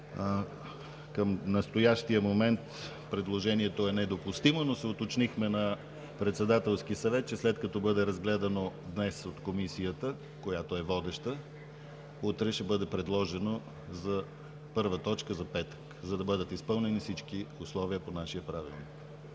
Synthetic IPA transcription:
kəmnɐst̪ojaʃt̪iəmomɛnt̪ | pɾɛd̪lˠoʒɛniɛt̪oɛnɛd̪opust̪imonosɛʊt̪ot͡ʃnixmɛnɐ | pɾɛt̪sɛd̪at̪ɛlˠsk̟isɐvɛt̪̚t͡ʃɛslɛt̪kɐt̪ɔbɤd̪ɛɾɐzɡlɛd̪ɐnod̪nɛsot̪komisijət̪ə | kojat̪oɛvɔd̪ɛʃt̪ə | ut̪ɾɛʃɛbɤd̪ɛpɾɛd̪lˠɔʒɛno | zɐ | pɤɾvət̪ɔt͡ʃkəzɐpɛt̪ə̥kzɐd̪ɐbɤd̪ət̪ispɤlˠnɛnifsit͡ʃkiʊslˠɔviəponaʃijəpɾavḭlˠnik

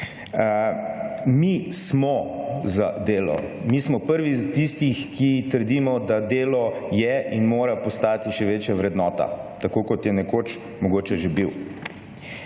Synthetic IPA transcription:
mismɔza̰d̪eːlɔ̰ | mismɔpəɾʋizat̪ist̪ixkit̪əɾd̪iːmɔd̪ad̪eːlɔjɛʔinmoːɾapɔst̪aːt̪iʃɛʋeːt͡ʃjaʋɾɛd̪nɔːt̪a̰t̪akoːkɔt̪jɛnɛkot͡ʃ | mɔɡoːt͡ʃɛʒebiw

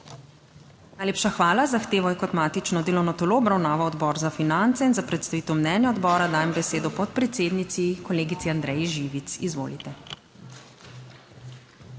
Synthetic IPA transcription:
najleːpʃaxʋaːlazaxt̪eːʋɔjɛkɔt̪maːt̪it͡ʃnɔd̪eːlɔwnɔt̪oloɔbɾawnaːʋaɔd̪bɔɾzafinant̪sɛinzapɾɛt̪st̪aʋiːt̪əwmnɛːnjaɔd̪bɔːɾad̪aːjɛmbɛseːd̪ɔpɔt̪̚pɾɛt̪seːd̪nit̪sikɔleːɡit̪siand̪ɾɛjiʒiʋit̪sizʋo̰ːlit̪ɛ

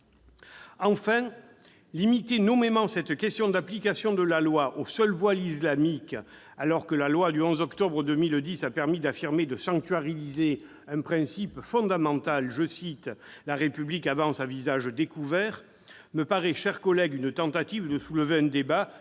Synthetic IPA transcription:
ɑ̃fɛ̃ | limit̪enɔmemɑ̃sɛt̪kɛst̪jɔ̃d̪aplikasjɔ̃d̪əlalwaʔosœlvwalislamik | alɔʁkəlalwad̪yɔ̃zɔkt̪ɔbʁəd̪əmild̪isapɛʁmid̪afiʁmed̪əsɑ̃ŋk̚t̪ɥaʁilize | ɛ̃pχɛ̃sipfɔ̃d̪amɑ̃t̪alʒəsit̪laʁepyblikavɑ̃sãvizaʒd̪ekuvɛʁ | məpaʁɛʃɛʁkɔlɛɡynət̪ɑ̃t̪at̪ivd̪əsuləveɛ̃d̪eba

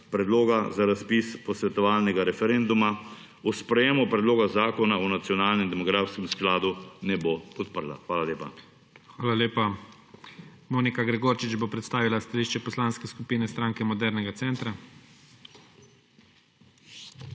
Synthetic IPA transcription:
pɾɛd̪loːɡazaɾaspispɔsʋɛt̪ɔʋaːlnɛɡaɾɛfɛɾend̪uma | uspɾɛjeːmupɾɛd̪loːɡazaːkɔnaunat̪sjɔnaːlnɛmd̪ɛmɔɡɾaːfskɛmsklaːd̪unɛboɔt̪̚pəɾla̰xʋaːlaleːpa̰ | xʋaːlaleːpa | moːnikaɡɾɛɡoːɾt͡ʃit͡ʃbopɾɛt̪st̪aːʋilast̪aliːʃt͡ʃɛpɔslanskɛskupiːnɛst̪ɾaːŋkɛmɔd̪ɛɾnɛɡat̪sɛːnt̪ɾa

